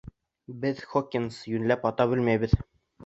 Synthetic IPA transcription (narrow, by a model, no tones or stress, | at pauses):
bɘðχokʲːinsjʉnlæpɑt̪ɑbɘlmæjbɘ̆ð